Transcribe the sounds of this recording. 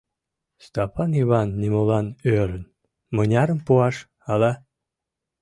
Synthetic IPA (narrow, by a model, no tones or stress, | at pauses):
st̪ɑpʰɑniβɑnːimolɑnøɾən | mɤnʲɑɾəmpuɑʃ | ɑlɑ